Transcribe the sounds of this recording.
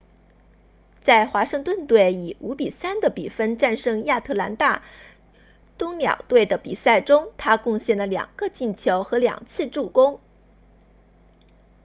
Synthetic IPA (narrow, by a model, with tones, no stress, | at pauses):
t͡sa˥˩ɪxwa˧˥ʂɤ˥˧ŋt̪wə˥˧nt̪we˥˩ɪi˨˩u˧˥pi˨˩sa˥nd̪ə˨˩pḭ˨˩fə˥nʈ͡ʂa˥˧nʂɤ˥˧ŋja˥˧t̪ʰɤ˥˩la˧˥nt̪a˥˩ | t̪ʊ˥ŋljɑ̰˨˩ŋt̪we˥˩ɪd̪ə˩pḭ˨˩sa˥˩ɪʈ͡ʂʊ˥ŋt̪ʰa˥kʊ˥˧ŋɕjɛ˥˩nlə˩ljɑ̰˨˩ŋɡ̥ə˧t͡ɕi˥˩nt͡ɕʰjo˧˥ʊxɤ˧˥ljɑ̰˨˩ŋt͡sʰɹ̩˥˧ʈ͡ʂu˥˩kʊ˥ŋ